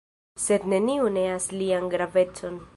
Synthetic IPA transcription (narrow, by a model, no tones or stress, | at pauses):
se̞d̪ne̞niune̞aslianɡɾave̞t͡so̞n